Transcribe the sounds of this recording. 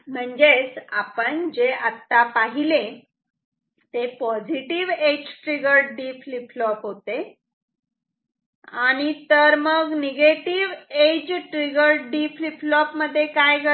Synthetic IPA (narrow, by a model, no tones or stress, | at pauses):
m̤əɳd͡zet͡sapəɳd͡ʑeʔat̪ːapaɦilẽ | t̪epɔd͡ʑiʈiʋed͡ʑʈɾiɡəɾɖifliplɔpɦot̪e | aɽ̃it̪əɾməɡneɡeʈiʋed͡ʑʈɾiɡəɾɖifliplɔpməd̪ʱːjekajɡʱə